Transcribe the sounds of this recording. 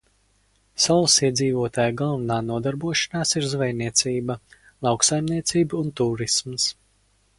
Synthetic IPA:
sawlˠsiɛd̪ziːvuɔt̪aːjɡalˠvanaːnuɔd̪aɾbuɔʃḁnaːsiɾzvɛjniɛt̪sʲiːbɐ | lˠɑwksajmniɛt̪siːbunt̪uːɾisms

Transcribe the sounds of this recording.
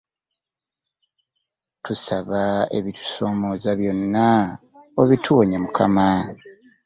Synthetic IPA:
tʰusaβaḛβitu̥so̞ːmo̞ːzaβjo̞nːa | oβitʰuwoɲamukʰa̰ma

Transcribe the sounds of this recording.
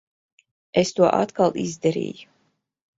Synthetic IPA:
est̪uɔʔa̰t̪kalˠʔizd̪aɾḭːju

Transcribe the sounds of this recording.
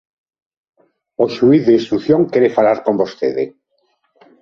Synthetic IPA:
oʃuiðeist̪ɾuθjoŋkeɾefalaɾkombost̪eðḛ

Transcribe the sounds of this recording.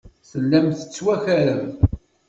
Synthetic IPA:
θəlːæmθə̥t͡sːwæçæɾən

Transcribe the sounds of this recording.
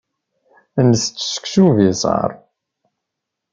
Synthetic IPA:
nːəst͡sːsə̥ksuvisə̰ɾˤ

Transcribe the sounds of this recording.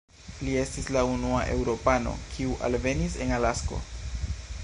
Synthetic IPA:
lie̞stislaunuaʔe̞wɾo̞pano̞̰kʰiuʔa̰lve̞nise̞nalasko̞̰

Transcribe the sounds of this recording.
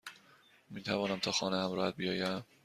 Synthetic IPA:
miːt̪ʰævɒːnæmt̪ʰɒːxɒːnehæmɾɒːhæt̪̚bijɒːjæm

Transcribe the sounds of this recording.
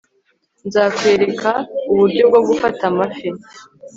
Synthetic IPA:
nzaːkwe̞ːɾe̞kʰauβuɾɟo̞b̚ɡo̞bɡufatamafi

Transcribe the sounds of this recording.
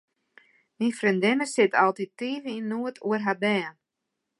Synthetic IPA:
mifrindɪnəsɪtɑlˠtitiːvəinːuətʰuərɦabɛːn

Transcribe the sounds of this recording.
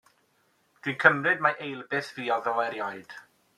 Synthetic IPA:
d̥winkʰəmrɨd̚maʔejlˠbɪθviːɔðəlɛɾjaɨd̥

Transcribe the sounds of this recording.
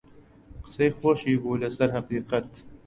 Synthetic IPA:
qɨ̥sejxoʃiːbuːlɨsɐɾhɐqiːqat̪

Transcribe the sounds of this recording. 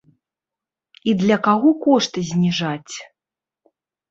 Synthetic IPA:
id̪lʲɐkaɣɔkɔʂt̪ɨzʲnʲiʐat͡sʲ

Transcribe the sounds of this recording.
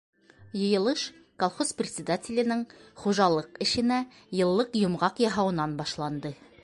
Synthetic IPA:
jɤ̆jɤ̆lˠɤʃ | kolˠχosprʲɪt̪ʲsʲɪd̪atʲɪlʲɘ̆nɘŋχuʒɑlˠɤqɘ̆ʃɘ̆næ | jɤ̆lˠːɤqjŏmʁɑqjɑɦɑwɤ̆nɑnbɑʃlˠɑnd̪ɤ

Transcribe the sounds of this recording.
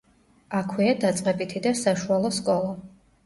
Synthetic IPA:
akʰwiad̪at̪sʼqʼɛbit̪ʰid̪asaʃualˠɔskʼɔlˠa

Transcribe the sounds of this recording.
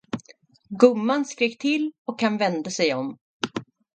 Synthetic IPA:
ɡɵmːanskɾeːk̚t̪ʰɪlːɔkhanvɛnd̪asɛjɔm

